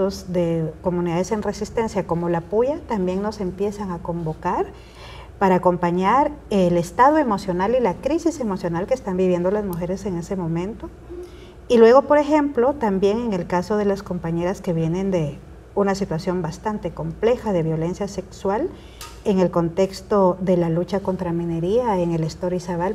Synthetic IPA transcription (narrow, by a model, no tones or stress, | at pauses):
ozðeko̞muniðaðe̞senre̞sist̪e̞nsjako̞mo̞lapojat̪ambje̞ŋno̞se̞mpje̞saŋako̞mbo̞kaɾ | paɾaːko̞mpaɲaɾele̞st̪aðwe̞mo̞sjo̞nalilakɾisise̞mo̞sjo̞nalkest̪ambiβje̞nd̪olazmuxe̞ɾe̞se̞ŋe̞se̞mõ̞mẽ̞nt̪o̞ | ilwe̞ɣo̞po̞ɾe̞xe̞mplo̞t̪ambje̞ŋe̞ŋe̞lkasoðe̞lasko̞mpaɲe̞ɾaske̞βje̞nẽ̞nd̪e̞ | unasit̪wasjo̞mbast̪ant̪e̞ko̞mple̞xaðe̞βjo̞le̞nsjase̞kswal | e̞ŋe̞lko̞nt̪e̞kst̪o̞ðe̞lalut͡ʃako̞nt̪ɾamĩne̞ɾiaeŋe̞lest̪oɾisaβal